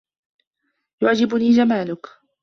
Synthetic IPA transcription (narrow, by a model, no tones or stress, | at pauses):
jʊʕd͡ʒɪbʊniːd͡ʒamaːlʊk